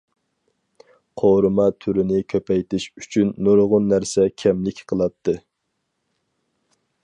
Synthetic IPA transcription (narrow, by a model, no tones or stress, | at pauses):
qʰoɾɨmɑt̪ʰyɾɪnɪkʲʰøpʰɛjt̪ʰɪʃy̥t͡ʃʰynːoɾʁʊnːæɾsɛkʲʰɛmlɪkʲqʰəlˠɑt̪ʰːɨ